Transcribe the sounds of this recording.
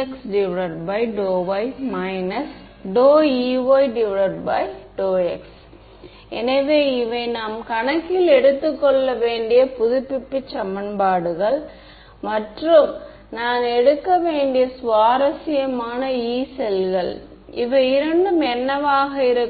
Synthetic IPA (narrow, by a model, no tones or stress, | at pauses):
ksɖɪʋɪɭɐɾbɐɪɖoːʋɐɪmɐɪnɐs | ɖoːiːʋoɪɖɪʋɪɭɐɾbɐɪɖoːɛks | ɛ̰nɐʋeːɪʋɐɪnaːmkɐnɐkːɪlɛɽɯt̪ːɯkːɔɭːɐʋeːɳɖɪjɐpʊðʊpːɪpːɯt͡ʃːɐmːɐnbaːɽɯɣɐɭ | mɐʈrɯm | naːnɛɽɯkːɐʋeːɳɖɪjɐsʋaːɾɐsɪjɐmaːnɐiːsɛlɣɐɭ | ɪʋɐɪɪɾɐɳɖɯmɛnːɐʋaːɣɐɪɾɯ